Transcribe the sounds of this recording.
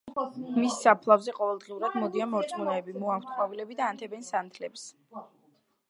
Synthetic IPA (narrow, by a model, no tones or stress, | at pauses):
misːapʰlˠavzɛqʼɔvɛlˠd̪ʁiuɾad̪mɔd̪ianmɔɾt̪sʼmɔnaɛbimɔawt̪̚χwavilɛbid̪aːnt̪ʰɛbɛnsant̪ʰlɛps